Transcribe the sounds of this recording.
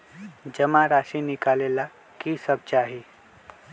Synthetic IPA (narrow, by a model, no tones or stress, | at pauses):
d͡ʑəmaɾaɕinikalela | kiːsəb̚t͡ɕaɦi